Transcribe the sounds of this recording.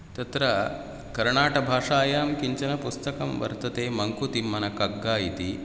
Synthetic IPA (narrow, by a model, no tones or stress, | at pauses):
t̪ɐt̪ɾɐ | kɐɾɳaːʈɐbʱaːʂaːjaːmkiɲt͡ɕɐnɐpust̪ɐkɐmʋɐ̰ɾt̪ɐt̪eːmɐŋkut̪imːɐnɐkɐɡːaːjit̪i